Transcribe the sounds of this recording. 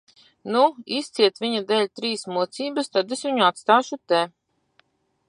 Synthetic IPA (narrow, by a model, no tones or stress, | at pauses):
nuist̪siɛt̪vʲiɲad̪ɛlʲt̪ɾiːsmuɔt̪siːbast̪ad̪esviɲuat̪st̪aːʃut̪ɛ